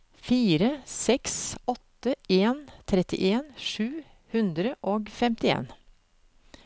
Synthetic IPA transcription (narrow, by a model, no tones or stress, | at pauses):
fiːɾəsɛksɔt̪ːəeːnt̪ʰɾɛt̪ɪ̰ʔeːnʂʉː | hʉnd̪ɾəʔoːɡfɛmt̪ɪḛːn